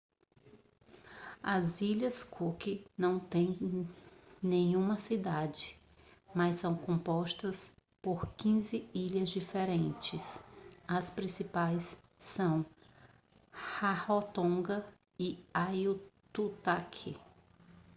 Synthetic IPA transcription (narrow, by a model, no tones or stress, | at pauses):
ɐziʎɐskʰukɪnɐ̃w̃t̪ẽj̃ | nẽjũmɐsid̪ad͡ʒɪ | mɐsɐ̃w̃kõpɔʃt̪ɐs | poɾkĩzɪiʎɐzd͡ʒifeɾẽnt͡ʃɪsɐspɾĩsipajsː | ɐ̃w̃ | hahot̪õɡɐ | iajut̪ut̪akʰɪ̰